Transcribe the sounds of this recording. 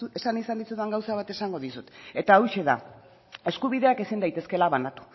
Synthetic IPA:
esanisand̪isuðaŋɡawsaβat̪e̞saŋɡo̞ð̞isut̪e̞t̪aojʃe̞ða̰ | e̞skuβ̞iðe̞ake̞sind̪ajt̪e̞ske̞laβanat̪u̥

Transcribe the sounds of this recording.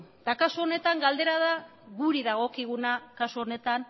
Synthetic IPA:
d̪akasuo̞ne̞t̪aŋɡald̪e̞ɾaðaɣuɾiðaɣ̞o̞kiɣ̞unakasuo̞ne̞t̪an

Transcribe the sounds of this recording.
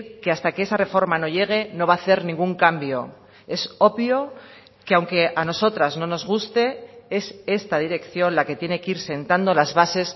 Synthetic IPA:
ke̞ast̪akeesare̞fo̞ɾmano̞ʎe̞ɣ̞e̞no̞β̞aːθe̞ɾnĩŋɡuŋkambjo̞ | e̞so̞βjo̞ | keawŋke̞ʔano̞so̞t̪ɾazno̞no̞zɣ̞ust̪e̞e̞se̞st̪aðiɾe̞kθjo̞nlake̞t̪je̞ne̞keiɾse̞nt̪and̪o̞lazβase̞s

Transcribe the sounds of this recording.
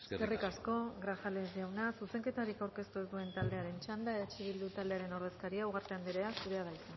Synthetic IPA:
skerikasko̞ɣɾafalezdiawnasuse̞ŋke̞t̪aɾikawɾke̞st̪uezd̪ue̞nt̪ald̪e̞aɾe̞nt͡ʃand̪aeðat͡ʃiβ̞ild̪ut̪ald̪eaɾe̞no̞ɾð̞e̞skaɾiauɣ̞aɾt̪e̞and̪iɾeasuɾe̞aðajsan

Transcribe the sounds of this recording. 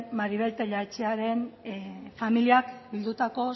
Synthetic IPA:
maɾiβe̞lt̪eʎaet͡ʃeaɾe̞n | familiakbild̪ut̪ako̞

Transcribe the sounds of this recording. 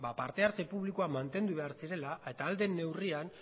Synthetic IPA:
bapaɾt̪e̞aɾt͡se̞puβlikoamant̪e̞nd̪uβe̞aɾsiɾe̞lae̞t̪aːld̪e̞nːe̞wrian

